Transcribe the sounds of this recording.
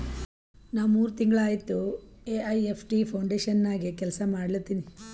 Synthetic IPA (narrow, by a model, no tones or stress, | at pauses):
naːʋmuːɾut̪iŋɡɐɭaːjit̪ːueːɐjepʰʈipʰɐwɳɖeːʃɐnːaːɡikɛlɐsɐmaːɽɐlt̪ːiːni